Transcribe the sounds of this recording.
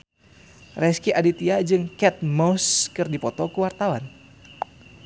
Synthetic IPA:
rɛskiʔadit̪iad͡ʒɨŋkɛt̪̚mɔskɨrdipɔt̪ɔkuwart̪awan

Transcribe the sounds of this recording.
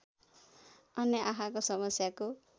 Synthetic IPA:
ʌnjʌʔaɦʰakosʌmʌsjako

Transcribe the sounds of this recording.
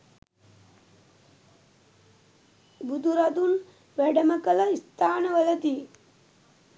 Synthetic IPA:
bud̪uɾɐd̪un | ʋɛɖɐmɐkɐlɐist̪ʰaːnɐʋɐlɐd̪i

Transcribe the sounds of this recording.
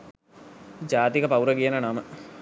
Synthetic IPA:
d͡ʒaːt̪ikəpɐwuɾəɡijənənamə

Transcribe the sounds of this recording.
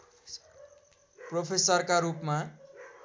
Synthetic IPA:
propʰesʌrkaɾupma

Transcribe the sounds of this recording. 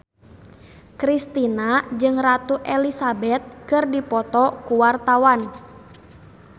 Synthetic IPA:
kɾist̪inad͡ʒɨŋrat̪uʔɛlisabɛt̪̚kɨrdipɔt̪ɔkuwart̪awan

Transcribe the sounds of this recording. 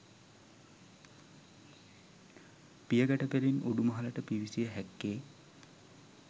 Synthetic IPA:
pijəɡæʈəpeɾinuɖumɐɦɐləʈəpiʋisijəɦɛkːeː

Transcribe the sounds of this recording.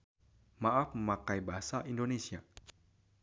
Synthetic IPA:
maʔafməmakajbaɦasaʔindonesia

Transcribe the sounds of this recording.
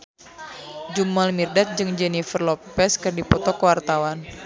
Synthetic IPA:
d͡ʒumalmirdat̪̚d͡ʒɨŋd͡ʒɛnifərlɔpɛskɨrdipɔt̪ɔkəwart̪awan

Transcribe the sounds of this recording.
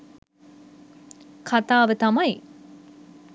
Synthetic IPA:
kʰat̪aːʋət̪ɐmɐj

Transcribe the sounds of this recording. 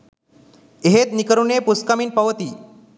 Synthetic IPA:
eɦet̪nikəɾunepuskamiːnpəʋt̪iː

